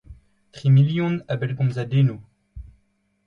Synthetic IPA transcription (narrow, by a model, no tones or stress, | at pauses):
t̪χimiljɔ̃nabɛlɡɔ̃mzad̪eno